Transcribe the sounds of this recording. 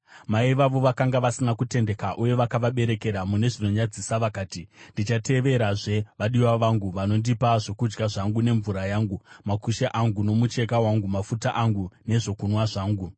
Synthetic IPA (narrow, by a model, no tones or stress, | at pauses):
maiʋaʋo̞ʋakaŋɡaʋasinakute̞nde̞kaʔuje̞ʋakaʋaɓe̞ɾe̞ke̞ɾamune̞ʐino̞ɲad͡zisaʋakaːtindit͡ʃate̞ʋe̞ɾaʐe̞ʋaɗiwaʋaŋɡuʋano̞ndipaʐo̞kud͡ʒɡaʐaŋɡune̞ɱvuɾajaːŋɡumakuʃaʔaŋɡuno̞mut͡ʃe̞kawaŋɡumafutaʔaŋɡune̞ʐo̞kunwaʐaːŋɡu